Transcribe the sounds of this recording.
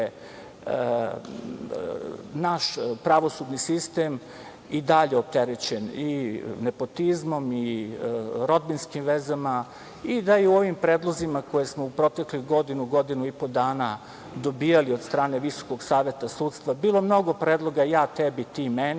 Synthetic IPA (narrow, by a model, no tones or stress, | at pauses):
naʃpɾaʋo̞sud̪nisist̪em | id̪aʎeo̞p̚t̪eɾet͡ɕeninepo̞t̪izmo̞mi | ɾo̞d̪binskimʋezama | id̪ajeuo̞ʋimpɾeːd̪lˠo̞zimako̞je̞smoupɾo̞t̪ekluɡo̞d̪inuɡo̞d̪inuipo̞d̪aːna | d̪o̞biːjaliod̪st̪ɾaːne̞ʋiso̥ko̞ɡsaːʋje̞t̪asuːt̪st̪ʋabiːlˠo̞mno̞ɡo̞pɾeːd̪lˠo̞ɡajaːt̪ebit̪imen